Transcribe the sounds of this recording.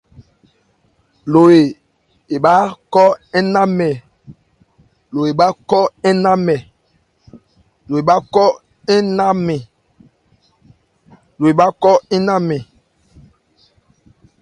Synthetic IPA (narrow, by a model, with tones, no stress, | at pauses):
lo˨e˨ | e˨ɓa˦kɔ˦ɛ˦na˦mɛ˨ | lo˨e˨ɓa˦kɔ˦ɛ˦na˦mɛ˨ | lo˨e˨ɓa˦kɔ˦ | ɛ˦na˦mɛ˨ | lo˨e˨ɓa˦kɔ˦ɛ˦na˦mɛ˨